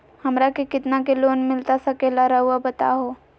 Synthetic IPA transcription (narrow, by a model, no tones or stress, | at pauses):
hɐmɾakekɪt̪nakeloːnmɪlt̪asɐkelaɾɐɦuabət̪a̰ɦoː